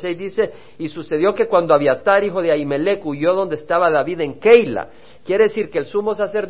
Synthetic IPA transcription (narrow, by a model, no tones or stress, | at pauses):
sejzd̪ise | isuse̞ðjo̞ke̞kwand̪oaβjiat̪aɾixo̞ðeajme̞lekuʝo̞ðo̞nd̪est̪aβaðaβiðe̞ŋkejla̰ | kje̞ɾeðesiɾkeːlsumo̞s̬ase̞ɾ